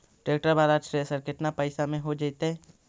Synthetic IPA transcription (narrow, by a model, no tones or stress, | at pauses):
ʈɾeːk̚ʈəɾbaːɾasɾesəɾkɪʈnapəɪsamẽɦod͡ʒaɪt̪ɦɛː